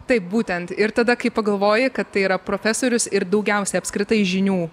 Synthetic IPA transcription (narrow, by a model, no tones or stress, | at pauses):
t̪ɐɪp̚buːt̪ʲɛnt̪ɪɾt̪ɐd̪ɐkɐɪpɐɡɐlˠʋoːjɪkɐt̪tɐɪiɾɐpɾoːfʲæsoːɾʲʊsɪɾd̪ɐʊɡʲɛʊsʲɛɐpʲskɾʲɪt̪ɐɪʒʲɪnʲuː